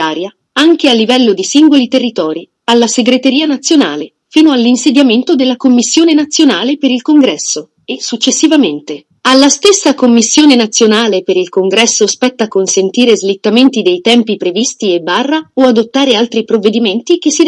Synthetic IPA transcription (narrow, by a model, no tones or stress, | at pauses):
aːɾja | aŋk̟ealːivɛlːod̪isiŋɡolit̪erːit̪ɔːɾi | alːaseɡɾet̪eɾiːanat̪sːjona̰ːle | fiːnoalːinsed̪jament̪od̪elːakomːisːjoːnenat̪sːjonaːlepeɾilkoŋɡɾɛsːo | esut͡ʃːesːivament̪e | alːast̪esːakomːisːjoːnenat̪sːjonaːlepeɾilkoŋɡɾɛsːospɛt̪ːaːkːonsent̪iːɾezlit̪ːament̪id̪ejt̪ɛmpipɾevist̪iebːarːaoad̪ot̪ːaːɾealt̪ɾipɾovːed̪iment̪ik̟esːi